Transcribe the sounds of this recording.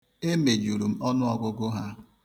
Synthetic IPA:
e˦me˨d͡ʒu˨ɾu˨m̩˦ɔ˦nʊ˦ɔ˨ɡʊ˦ɡʊ˦ɦa˦

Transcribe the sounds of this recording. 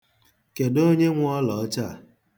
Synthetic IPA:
ke˨do˦ɲe˦ŋʷ˦ɔ˦lɔ˨˦t͡ʃa˦˨

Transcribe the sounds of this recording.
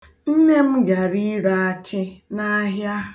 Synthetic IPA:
n̩˦ne˦m̩˦ɡa˨ɾi˦ɾa˦a˦t͡ʃʰɪ˦na˦ɦja˦

